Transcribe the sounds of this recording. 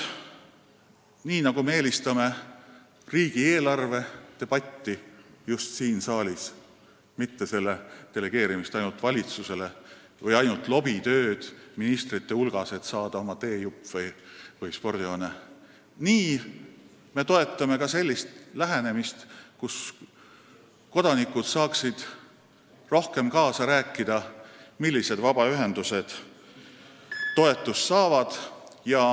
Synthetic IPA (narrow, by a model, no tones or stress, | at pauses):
niːnɑɡ̥umeeːlʲist̪ɑme̞ | riːɡ̥ieːlɑrve̞t̪e̞b̥ɑt̪ːijust̪siːnsɑːlʲis | mit̪ːe̞se̞lːe̞t̪e̞leɡ̥e̞ːɾimist̪ɑjnult̪vɑlʲit̪suse̞le | vɤjɑjnult̪lo̞b̥it̪ø̞ːd̪̥minist̪rit̪ːe̞ulɡ̥ɑse̞t̪sɑːd̪̥ɑo̞mɑt̪e̞ːjupːˑvɤjvɯjspo̞rd̪̥ione | niː | me̞t̪o̞e̞t̪ːˑɑme̞kɑse̞lʲːist̪læɦene̞mist̪kus | ko̞d̪̥ɑnikud̪̥sɑːksid̪̥ | ro̞hke̞mkɑːsɑɾæːkˑːid̪̥ɑmilʲːise̞d̪vɑbɑyɦe̞nd̪̥use̞d̪̥ | t̪ːo̞e̞t̪ːˑust̪sɑːvɑd̪̥jɑ